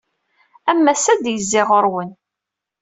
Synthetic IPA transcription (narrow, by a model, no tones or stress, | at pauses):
æmːæsæd̪jəzːɪʁəɾwən